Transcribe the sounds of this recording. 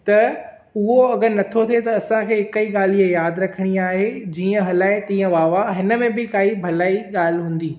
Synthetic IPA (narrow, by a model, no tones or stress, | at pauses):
t̪ɐ | ʊɦoɐɡəɾnɐt̪ʰot̪ʰet̪ɐɐsãkʰeːɦɪkəiɠaːl̤iəjaːd̪ɾɐkʰəɽ̃iaːɦed͡ʑiːə̃ɦɐlaːɪt̪ĩːə̃ʋaːʋaɦɪnə̆mẽbɪkaːibʱɐlaːiɠaːl̤ɪɦũːn̆d̪iː